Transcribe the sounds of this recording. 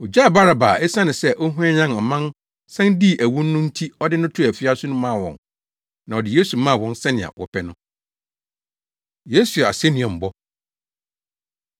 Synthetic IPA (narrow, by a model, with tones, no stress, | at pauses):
ɔ˨d͡ʑa˦˨ba˦ɾa˨ba˨ɛ˦sã˦nɪ̃˨sɛ˦ʔɔ˦ɦũ˦ɛ˦ɲã˦nɔ˨mã˦n | sɛ̃˦ndi˦˨ʔæ˨wũ˦nː˦ʊ̃˦n̩˦tʰi˦ɔ˦dɪ˦nʊ̃˦tʰʊ˦æ˨fi˦a˦sʊ˦nʊ̃˦mã˦˨wɔ̰̃˨n | nã˨ɔ˨dɪ˨je˦su˨˦mã˦˨wɔ̃˦nsɛ˦nɪ̃˨ã̰˨wʔɔ̰˨pʰɛ˦nʊ̃˦ | je˦su˨a̰˨sɛ˦nĩ˨ɛ̃˨m̩˨bɔ˦